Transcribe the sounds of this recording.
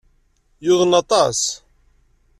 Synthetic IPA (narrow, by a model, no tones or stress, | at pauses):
jʊðˤənɑt̪ˤɑs